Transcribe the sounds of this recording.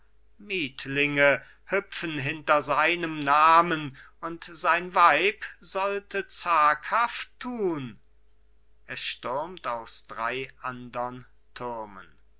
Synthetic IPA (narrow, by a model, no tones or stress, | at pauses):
miːtʰlɪŋə | hʏpfn̩ɦɪntɐzaɪnəmnaːmən | ʊntz̥aɪnvaɪpz̥ɔltət͡saːkhaftʰːuːn | ʔɛsʃtʊɐmtaʊsd̥ʁaɪʔandɐn | tʰʊɐmə̰n